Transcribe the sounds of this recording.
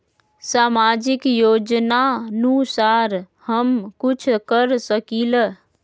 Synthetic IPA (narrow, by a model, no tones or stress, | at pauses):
saːmaːd͡ʒɪkjoːd͡ʒnanusaːɾ | həmkʊt͡ʃʰkəɾsəkilə